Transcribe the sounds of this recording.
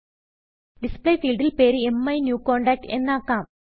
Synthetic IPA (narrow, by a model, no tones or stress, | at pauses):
ɖisplejfiːlɖilpeːɾɨemːɐjnjuːkːoːɳɖɐːk̚ʈɨe̞̰nːaːkːaːm